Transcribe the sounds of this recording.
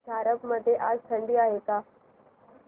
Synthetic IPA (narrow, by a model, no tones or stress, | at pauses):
d͡ʒʱaɾəbməd̪ʱjeʔaːd͡zt̪ʰəɳɖiːaɦeka